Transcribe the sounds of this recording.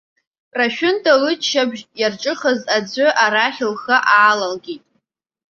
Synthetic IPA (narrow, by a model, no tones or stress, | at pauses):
raʃᶣʊntʰʼalɨt͡ʃʃabʒʼjarʈ͡ʂʼɨχəzad͡zʷɨʔaɾaχʲɪlχaʔaːlalɡʲitʼ